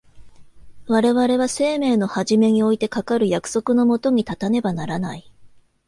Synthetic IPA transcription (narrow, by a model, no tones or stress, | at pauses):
βaɾe̞βaɾe̞β̞ase̞ːme̞ːno̞haʑime̞ɲ̟io̞it̪e̞kakaɾɯ̟jakɯ̟̥so̞kɯ̟no̞mo̞t̪o̞ɲ̟it̪at̪ane̞banaɾanai